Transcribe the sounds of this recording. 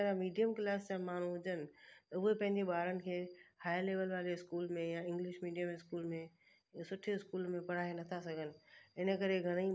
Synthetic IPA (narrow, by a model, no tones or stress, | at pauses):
ɾãmiːɖijəmklaːst͡ɕãmaːɳ̤ũɦʊd͡ʑənɪ̆t̪ɐʊɦepɐ̃ɦɪ̃ɲd͡ʑeɓaːɾənɪ̆kʰeːhaːjleːʋəlʋaːɾeɪskuːlmẽjãɪ̃ŋɡlɪʃmiːɖijəmɪskuːlmẽ | sʊʈʰɪskuːlmẽpɐɽ̤aːenɐt̪ʰasɐɡʱənɪ̆ɪnə̆kɐɾeɡʱɐɽ̃i